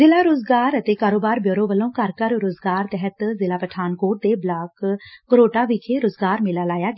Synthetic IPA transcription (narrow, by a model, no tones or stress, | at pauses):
zɪlaːɾoːzɡaːɾət̪eːkaːɾoːbaːɾbjoːɾõːʋəlõːkəɾkəɾɾoːzɡaːɾt̪ɛɦət̪zɪlaːpəʈʰaːnkoːʈ̚d̪eːblaːkːəɾoːʈaːʋɪːkʰeːɾoːzɡaːɾmɪlaːlaːjaːɡ